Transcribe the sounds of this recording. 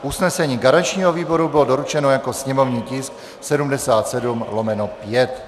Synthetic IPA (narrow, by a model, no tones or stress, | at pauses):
ʔusnɛsɛɲiːɡaɾant͡ʃɲiːɦoviːbo̞ɾubɪlodoɾut͡ʃɛnojako̞sɲɛmo̞vɲiːcɪsk | sɛdumdɛsaːt̪sɛdumlomɛnopjɛt̪